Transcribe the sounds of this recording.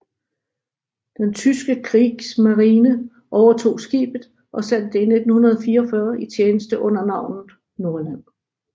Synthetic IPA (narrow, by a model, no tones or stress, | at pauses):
d̥ent͡sʰysɡ̥əkʰʁḭːɡ̥smɑ̈ʁiːnə | ʔɒʊɐt͡sʰo̝̰ːsɡ̥ḭːb̥ð̩ˠ | ʔɒ̽sæn̰d̥ene̝d̥n̩hunɐð̞ˠɒ̽fiːɐɒfɶːɐit͡sʰjeːnəsd̥əʔɔ̽n̰ɐnɑ̈ʊ̰nð̩ˠ | no̝ɐlæn̰